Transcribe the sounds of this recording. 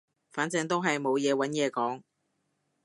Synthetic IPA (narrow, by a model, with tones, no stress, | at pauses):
faː˨˥nt͡sɛː˧ŋt̪o˥wɦɐ˨jmo˨˧wjɛː˨˧wɐ˨˥njɛː˨˧kɔː˨˥ŋ